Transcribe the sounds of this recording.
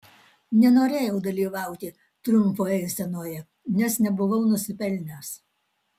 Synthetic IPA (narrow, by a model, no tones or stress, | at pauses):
nʲɛnoːɾʲeːjɛʊd̪ɐlʲiːʋɑˑʊt̪ʲɪ | t̪ɾʊmˑpoːɛɪsʲɛnoːjɛ | nʲɛsnʲɛbʊʋɐʊnʊsʲɪpʲɛlʲnʲɛs